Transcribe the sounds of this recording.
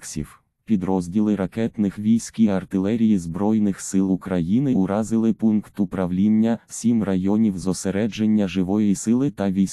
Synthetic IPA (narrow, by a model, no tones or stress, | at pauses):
ksʲḭw | pʲid̪ɾɔzʲdʲilˠɪɾɐkɛt̪nɪxʋʲijsʲkiɐrt̪ɪlˠɛɾʲijizbɾɔjnɪxsɪlˠukɾɐjinɪʊɾɑzɪlˠɪpunkt̪ʊpɾɐwlʲinʲːɐsʲimrɐjɔnʲiwzɔseɾɛd͡ʒenʲːɐʒɪʋɔjisɪlˠɪt̪ɐʋʲijʲ